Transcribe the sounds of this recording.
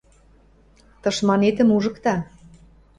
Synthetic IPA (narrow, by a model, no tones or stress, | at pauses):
t̪ɤ̆ʃmɑnet̪ə̆muʒə̆kt̪ɑ